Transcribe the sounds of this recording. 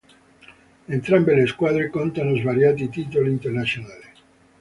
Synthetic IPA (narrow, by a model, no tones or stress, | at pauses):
ent̪ɾambeleskwaðɾekont̪anozβaɾjat̪̬it̪it̪oloint̪eɾnasjonale